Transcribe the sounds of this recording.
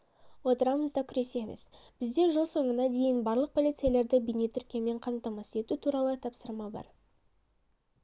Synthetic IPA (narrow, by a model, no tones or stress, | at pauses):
wo̞t̪əɾɑməzd̪ɑkʲʰʏɾe̞se̞mḛsb̥ɪzd̪e̞ʒəlˠso̞ɴənɑd̪e̞jɪnbɑɾlˠəq̚pʰo̞lijt̪sɨjalˠe̞ɾd̪ɪbijne̞t̪ʰʏɾkʲeme̞ɴqʰɑmt̪ɑmɑse̞t̪ut̪ʰuɾɑlˠət̪ʰɑpsəɾmɑbɑ̰ɾ